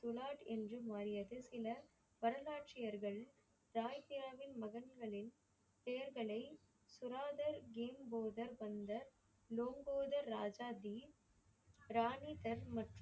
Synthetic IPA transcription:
t̪ʊɭaːʈɛndrɯmaːɾɪjɐðɯsɪlɐ | ʋɐɾɐlaːʈt͡ʃɪjɐɾɣɐɭ | ɾaːjpɪjaːʋɪnmɐɣɐnɡɐɭɪn | p̪ejɐɾɣɐɭɐɪ | sʊɾaːðɐɾɡeːmboːðɐɾʋɐnd̪ɐɾ | loːŋɡoːðɐɾːaːd͡ʒaːd̪i | ɾaːnit̪ɐɾmɐʈr

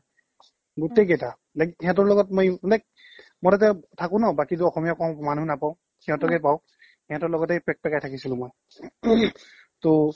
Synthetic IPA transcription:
ɡutejɡɛta | laɡiiɦãt̬ɔɹlɔɡɔtmɔjnɛk̚ | mɔtat̬ɛtʰakʊ̃nɔbakituɔxɔmijakɔw̃manunapaʊ̃ | kiɦɔ̃tɔkɛpaw̃ | hiãtɔɹlɔɡɔtejpɛk̚pɛkajtʰakisilʊ̃mɔj | to

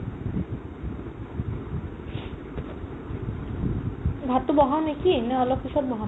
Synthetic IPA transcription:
bʱat̪ubɔɦanekineɔlɔkːisɔt̪̚bɔɦa

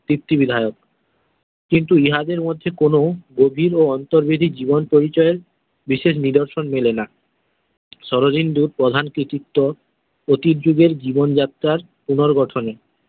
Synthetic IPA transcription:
t̪ɾipt̪ːibid̪ʱaeok̚ | kint̪uiɦad̪eɾmod̪ʱːekonoɡobʱiɾoɔnt̪oɾbid̪ʱid͡ʑibonpoɾit͡ɕɔeɾ | biʃeʃ̬nid̪oɾʃonmelena | ʃɔɾod͡ʑind̪uɾ̚pɾod̪ʱankɾit̪it̪ːo | ot̪iɾd͡ʑuɡeɾd͡ʑibond͡ʑat̪ːɾaɾ | punoɾɡɔʈʰone

